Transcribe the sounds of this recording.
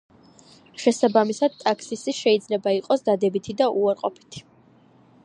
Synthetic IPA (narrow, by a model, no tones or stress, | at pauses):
ʃɛsabamisad̪̚t̪ʼaksisiʃɛid̪zlɛbaiqʼɔsd̪ad̪ɛbit̪ʰid̪aʔuaɾqʼɔpʰi̥t̪ʰi̥